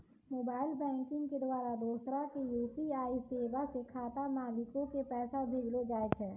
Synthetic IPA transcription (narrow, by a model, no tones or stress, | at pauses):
moːbaːɪlbɛ̃ːŋkɪ̃ŋɡked̪waːɾad̪oːsɾakejuːpiaːiseːʋasekʰaːt̪amaːlɪkõkepɛːsabʱeːɡlod͡ʒaːet͡ʃʰɛː